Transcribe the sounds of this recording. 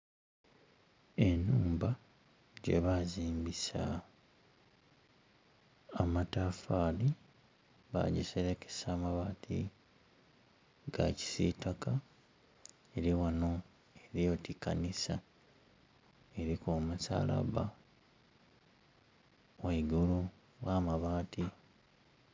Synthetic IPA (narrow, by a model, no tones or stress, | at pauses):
e̞nuːmba | ɟe̞̰βaziːmbisa | matafaːli | βa̰ɟeseɾeke̥saːmaβaːtʰḭ | ɡa̰ci̥sitaka | eɾiwano̞ | eɾjo̞tikːanisa | eɾikomusa̰ːla̰βa | weiɡulu | ɣaːmaβaːtʰi